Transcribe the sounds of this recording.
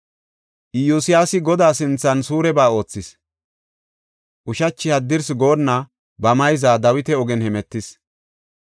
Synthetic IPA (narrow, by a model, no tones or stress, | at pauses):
ʔɪjusɪjaːsɪɡɔd̪aːsɪnt͡sːɐnsuːɾɛbaːo̞ːt͡sːɪs | ʔʊʃɐt͡ʃːɪhɐd̪ːɪɾsɡo̞ːnːɐ | bɐmɐjzaːd̪ɐwɪt̪ɛɔɡɛnhɛmɛt̪ːɪs